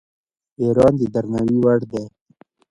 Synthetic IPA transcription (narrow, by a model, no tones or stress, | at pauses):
eɾɑːnd̪əd̪aɾnawiwaɽd̪e